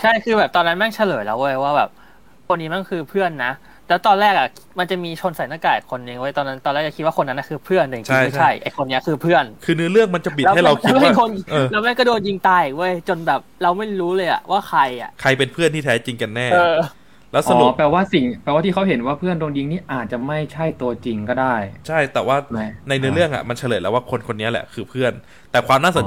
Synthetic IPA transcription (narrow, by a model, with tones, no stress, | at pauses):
t͡ɕʰa˥˩jkʰɯː˧bɛː˨˩p̚t̪ɔː˧nːa˦˥na˥˩ŋt͡ɕʰa˧lɤː˩˦jla˦˥wʔu˧˥˩jwaː˥˩bɛ̰ː˨˩p̚ | kʰo˧nːiː˦˥ma˧˦˥nkʰɯː˧pʰɯ˥˩ənːa˦˥ | lɛː˦˥wt̪ɔː˧nlɛː˥˩k̚ʔa˨˩ | ma˧nt͡ɕa˨˩miː˧t͡ɕʰo˧nsa˨˦naː˧˥˩kaː˨˩i˨˩kʰo˧nji˧ŋʔo˧˩j̪ɔː˧nːa˦nt̪ɔː˧nlɛː˥˩kt͡ɕa˨˩kʰi˦t̪wa˥˨o˧nːa˦˥nːa˧˥˩kʰɯː˧pʰɯ˥˩ənː˧˨˩t͡ɕi˦a˥˩˥a˥˩jʔa˧˨jkʰo˧nːi˦˥ɐkʰɯː˧pʰɯ˥˩ənkʰɯː˧nɯ˦˥ɐlɯ˥˩əŋma˧nt͡ɕa˨˩p̬i˨˩lɛ˦˥w̚hɾa˧wkʰha˥kʰo˧nː˧lɛ˦˥wma˥˩nkɔː˥˩doː˧nji˧ŋt̪aː˧jʔiː˨k̚ʔu˥˩˨jt͡ɕo˧nbɛː˨˩p̚ɾa˧wma˥˩jɾuː˦˥lɤː˧jʔa̰˨˩ʔwʔaː˥˩xʰa˧ja̰˨˩ʔkʰa˧jpe˧npʰɯ˥˩ənt̪ʰiː˥t̪ʰɛː˦˥t͡ɕi˧ŋka˧nːɛː˥˩ɤː˧ | lɛː˦˥wsʔa˧n˧u˨˩pɛː˨˩waː˥˩si˨˩ŋpɛː˧waː˥˩i˥˩kʰwɦe˩˦nwaː˥˩pʰɯ˥˩əndoː˧ŋji˧˦ŋniː˥˩ʔaː˨˩t̪̚t͡ɕa˨˩ma˥˩jt͡ɕʰa˥˩jt̪u˧ɐt͡ɕi˧ŋkɔː˥˩daː˥˩jt͡ɕʰa˥˩jt̪ɛː˨˩waː˥˩na˧jnɯ˦˥lɯ˥˩əŋʔa̰˨˩ma˧nt͡ɕʰlɤː˨˩jlɛ˦˥waː˥˩kʰo˧nkʰo˧nːi˦˥ɐlɛ̰˨˩kʰɯː˧pʰɯ˥˩ən | t̪ɛː˨˩kʰwaː˧mnaː˥˩so˩˦n